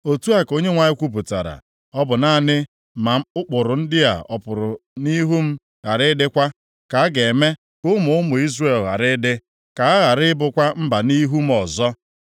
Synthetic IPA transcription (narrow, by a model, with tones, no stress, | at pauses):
o˨tu˦a˦ko˦ɲe˦ŋʷa˨ɲɪ˦kʷu˦p̬u˨ta̰˨ɾa̰˨ | ɔ˦bʊ˨na˦˨nɪ˦ | ma˨˦ʊ˦k͡pʊ˨ɾʊ˨n̩˦dɪ˦a̰˨ɔ˨pʊ˨ɾʊ˨ni˦ɦu˦m̩˦ | ɣa˨ɾɪ˦dɪ˦kʷa˦ | ka˨a˦ɡe˨me˦ | kʊ˦mʊ˨ʊ˦mʊ˨i˦zre˨lɣa̰˨ɾɪ˦dɪ˦ | ka˨a˦ɣa˨ɾɪ˦bʊ˦kʷa˦m̩˦ba˨ni˦ɦu˦m̩˦ɔ˨zɔ˦